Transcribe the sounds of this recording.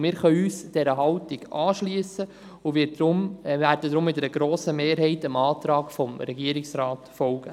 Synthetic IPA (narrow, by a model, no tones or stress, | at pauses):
mɪːɾχœʏyːsd̥ɛɾəɦɑwtɪɡ̥ɑːʃliəsə | ʊʋɪːd̪ɾʊmvæːɾdəd̪ɾʊmːɪtdəɾəɡɾoːsəmeːɾɦɛɪtəmɑːt̪ɾɑːɡfɔmɾɛɡiəɾɪksɾɑːtfɔlɡ̥ə